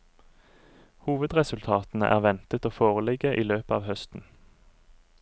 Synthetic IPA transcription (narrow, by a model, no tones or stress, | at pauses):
huːʋəd̪ʁɛsʉlt̪ʰɑːt̪n̩əʔæ̰ːʁʋɛnt̪ət̪oːfoːʁəlɪɡəʔiːløːpəɑːʋhœst̪n̩